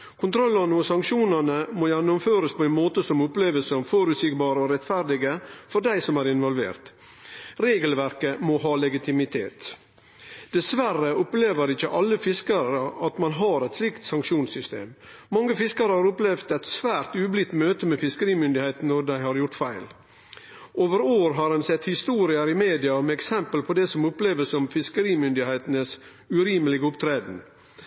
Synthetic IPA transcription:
kʰʊnt̪ʰɾɔlːɑnəɔsɑŋkʃuːnɑnəmoːjænːʊmføːɾəspʰɔæɪnmoːt̪əsɔmʊpleːʋəlsəmfɔɾʉt̪sɪkbɑːɾəɔɾɛt̪fæɾɖɪɡəfɔɖæɪsɔmæːɾɪnʋɔlʋḛːɾt̪ | ɾeːɡəlʋæɾkəmɔɦɑːlɛɡɪt̪ʰɪmɪt̪ʰḛːt̪ | d̪̥ɛsʋærəʊpleːʋəɾɪçːəʔɑlːəfɪskɑɾəɑt̪mɑnɦɑɾɛt̪slɪkt̪sɑŋkʃuːnsʏst̪ḛːmː | ɑŋːəfɪskɑɾəhɑːɾʊplɛʋd̪ɛɪt̪sʋæːɾt̪ʉːblɪt̪ːmøːt̪əmɛfɪskəɾiːmʏnd̪ɪheɪt̪n̩ːɔd̪æɪhɑɾjʊʈfæɪl | oːʋəɾoːɾɦɑɾɛnsɛt̪hɪst̪uːɾɪəɾɪmeːd̪ɪɑmɛɛksɛmpəlpʰɔd̪ɛsɔmʊpleːʋəsɔmfɪskəɾiːmʏnd̪ɪheɪt̪ənəs | ʉɾiːməlɪɡəʊpt̪ʰɾeːd̪n̩

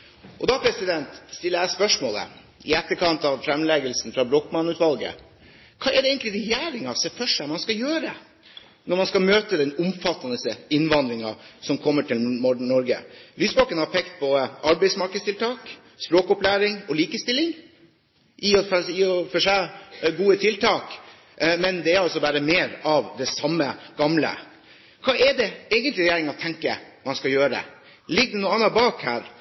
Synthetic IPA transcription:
ʔɔd̪ɑpʰɾɛsɪd̪ɛnt̪st̪ɪlːəjæɪspœʂmoːlə̰ | ɪɛt̪ːəɾkʰɑnt̪ɑʋfɾɛmlɛɡəlsn̩fɾɑbɾoːkmɑnʉːt̪ʋɑlɡə̰ | kʰɑːɛɖɛeːŋk̪t̪lɪɾɛjæːɾɪŋɑsɛfœʂæɪmɑnskɑjøːɾə | nɔɾmɑnskɑmøːt̪əd̪ɛnʊmfɑt̪ːənəsəɪnːʋɑnd̪ɾɪŋɑ̰sɔmkʰɔmːəʈʰɪlmɔɖɳnɔɾɡə̰lyːsbɑkənhɑɾpʰɛkt̪̚bɔəʔɑɾbæɪsmɑɾkəst̪ʰɪlt̪ʰɑːk | spɾoːkʊplæːɾɪŋɔliːkəst̪ɪlːɪŋ | ʔiːɔfiːɔfɔʂæɡuːət̪ʰɪlt̪ʰɑːk | mɛnd̪ɛːɾɑlsɔʋæːɾəmeːɾɑʋd̪ɛsɑmːəɡ̥ɑmlə̰ | kʰɑːʔɛɖɛɛːɡənt̪lɪɾɛjeːɾɪŋɑt̪ʰɛŋkə̰ | mɑnskɑjøːɾə̰ | lɪɡd̪ɛnuːɑnːɑbɑːkhæːɾ

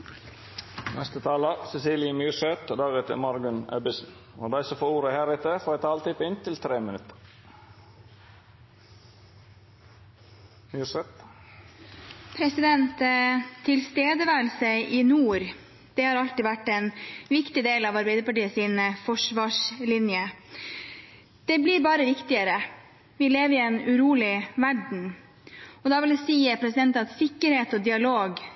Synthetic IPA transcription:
nɛst̪ət̪ʰɑːləsɛsiːlɪəmyːʃɛt̪ːd̪ɑːɡɛt̪ʰə̰mɑɾɡʉnœbɪsn̩o̰ːd̪æɪsəfoːuːɾəhæːɾɪt̪əfoːæt̪ʰɑːlt̪ʰɪpɪnt̪ʰɪlt̪ʰɾeːmɪnʉt̪ə̥ɾ | myːʂɛt̪ | pʰɾɛsɪd̪ɛnt̪tʰːɪlst̪eːd̪əʋæːlsəɪʔɪnuːɾ | d̪̥ɛhɑɾɑlt̪ɪʋæʈːɛnʋɪkt̪ɪd̪eːlɑʋɑɾbæɪd̪əɾpɑʈiːəsiːnəfɔʂʋɑːʂlɪnjə | d̪̥ɛblɪɾbɑːɾəʋɪkt̪ɪəɾə | ʋɪleːʋɾɪɛnʉɾuːlɪʋæɖɳ̩ | ɔd̪ɑːʋɪlɛsiːəpʰɾɛsɪd̪ɛnt̪ɑt̪sɪkːəɾheːt̪ɔd̪ɪɑloːɡ

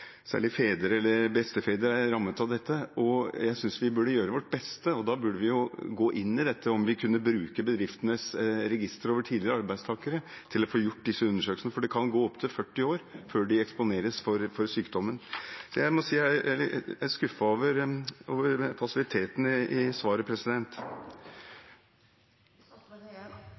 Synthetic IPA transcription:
sæ̰ːɭɪfeːd̪əɾəɛlːəɾbɛst̪əfeːd̪əɾæɾɑmːət̪ɑʋd̪ɛt̪ːəɔjæɪsʏnsʋɪbʉɖəjøːɾəʋɔʈ̚ːbɛst̪əɔd̪ɑːbʉɖəʋɪjʊɡoːʔɪnːɪd̪ɛt̪ʰːəɔmʋɪkʰʉnːəbɾʉːkəbəd̪ɾɪft̪ənəsɾɛɡɪst̪əɾoːʋəʈʰiːd̪lɪəɾəɑɾbæɪd̪st̪ʰɑːkəɾət̪ʰɪlɔfoːjʊʈːd̪ɪsːəʉnːəʂøːkl̩snəfɔɖɛkʰɑnɡoːɔpt̪ʰɪlfœʈːɪoːɾføːɖɪɛkspʊneːɾəsfɔɾfɔɾsyːkd̪ɔmːənsɔjæɪmɔsiːæ | æskʉfəoːʋəɾoːʋəɾpʰɑsɪʋɪt̪ʰeːt̪n̩ɪsʋɑːɾəpʰɾɛsɪd̪ɛnt̪

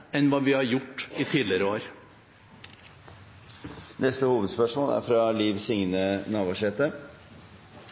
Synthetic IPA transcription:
ɛnʋɑːʋɪhɑɾjʊʈːit̪ʰiːdlɪɾəoːɾ | nɛst̪əhuːʋəd̪spœʂmoːlæ̰ɾfɾɑliːʋsɪŋnənɑːʋɑʂɛːt̪ə

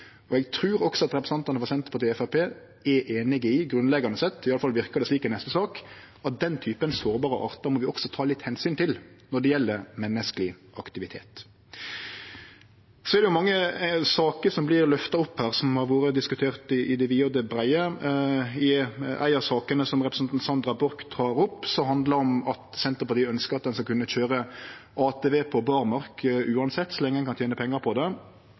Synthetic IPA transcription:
ɔɛɡt̪ʰɾʉːɾɔksɔɑt̪ɾɛpɾəsɑnt̪ɑnəʋɑɾsɛnt̪ə̥pʰɔd̪eːɛfæpʰeː | ɛʔeːnɪɡəɪɡɾʉnlɛɡɑnəsɛt̪ːɪɑləfɑlʋɪɾkɑd̪ɛsliːkɛnɛst̪əsɑːk | ɑt̪̚d̪ɛnt̪ʰyːpənsoːɾbɑːɾəʔɑ̰ːʁt̪ɑɾmɔʋɪɔksɔt̪ʰɑːlɪt̪hɛnsyːnt̪ʰɪlnɔɖ̪ɛjɛlːəɾmɛnːəskəlɪʔɑkt̪ɪʋɪt̪ʰḛːt̪ | sɔɛɾd̪ɛjʊmɑŋːəsɑːkəɾsɔmblɪɾlœft̪ɑɔpːhæːʁsɔmhɑɾʋoːɾəd̪ɪskʉt̪ʰeːʁt̪ɪʔɪd̪ɛʋiːod̪ɛbɾæɪə | ɪʔæ̰ɪɑsɑːkənəsɔmʁɛpɾəsɛnsɑnd̪ɾɑbɔɾkd̪ʁɑːɾɔpːsɔmhɑnd̪ləɾɔmɑt̪sɛnt̪əɾpɑt̪ʰiːœnskəɾɑt̪̚d̪ɛnskɑkʰʉnːəçøːɾəʔɑːt̪ʰeːʋeːpʰɔbɑʁmɑɾkʉːɑnsɛt̪ːsɔlɛŋːədɛnkɑnt̪jeːnəpʰɛŋːɑɾpʰɔd̪ɛ

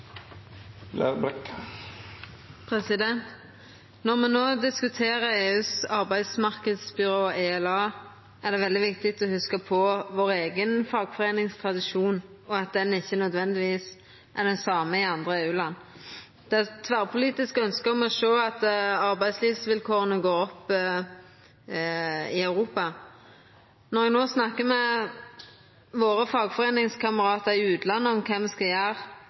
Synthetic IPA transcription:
læ̰ʁbɛk | pʰʁɛsɪd̪ɛnt̪ | nɔʁmɛnoːd̪ɪskʉt̪ʰeːʁəeːʉːsɑʁbæɪd̪smɑʁkəd̪sbʏɾoːeːɛlɑː | ʔæʁd̪ɛʋɛld̪ɪʋɪk̚t̪ɪk̚t̪ɔhʉskəpʰɔʋoːʁeːɡənfɑːɡfɔʁeːnɪŋst̪ʰʁɑd̪ɪʃuːn | ɔɑt̪̚d̪ɛnɪçːənœd̪ʋɛnd̪ɪʋiːs | ʔæd̪ɛnsɑːməɪɑnd̪ʁəeːʉːlɑnː | d̪̥ɛæt̪ʰʋæːʁpʰʊliːt̪ɪskəœnskəʁɔmɔʃøːɑt̪ɑʁbæɪd̪sliːʋsʋɪlkʰoːʁənəɡoːɔpː | ɪœʉʁuːpɑ | nɔʁɛɡnoːsnɑkːəmɛ | ʋoːʁəfɑːɡfɔʁeːnɪŋskʰɑməʁɑːt̪əʁɪʉːt̪lɑnːəɔmkʰɛmʋɪskɑjæːʁ

